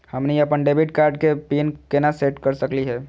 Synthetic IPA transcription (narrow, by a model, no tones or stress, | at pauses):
həmniəpənɖebiʈ̚kaɾɖ̚kepinkenaseʈkəɾsəkliɦɛ